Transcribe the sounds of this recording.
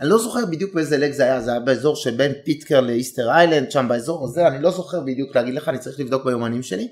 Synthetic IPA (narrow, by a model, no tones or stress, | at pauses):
anilo̞zo̞χeʁbid̪jukbeezeleɡzeajazeajabeezo̞ʁʃelbe̞npitkeʁleisteʁajland̪ʃambaezo̞ʁazeanilo̞zo̞χe̞ʁbid̪jukleaɡid̪leχaːnit͡saʁi̥χlivd̪ok̚bejo̞manimʃeli